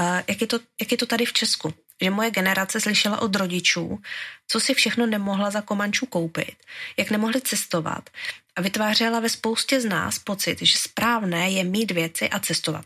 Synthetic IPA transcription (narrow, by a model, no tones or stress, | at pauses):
jakjɛt̪ojakjɛt̪ot̪adɪft͡ʃɛsku | ʒɛmo̞jɛɡɛnɛɾat͡sɛslɪʃɛla̰ʔo̞d̪ɾo̞ɟɪt͡ʃṵːt͡sosɪfʃɛxno̞nɛmo̞ɦlazako̞maɲt͡ʃuːko̞wpɪ̰t̪jaknɛmo̞ɦlɪt͡sɛst̪o̞va̰t̪ʔavɪt̪vaːr̝ɛlavɛspo̞wscɛzna̰ːspo̞t͡sɪ̰t̪ʒɛspɾaːvnɛːjɛmiːt̪vjɛt͡sɪʔat͡sɛst̪o̞va̰t̪̚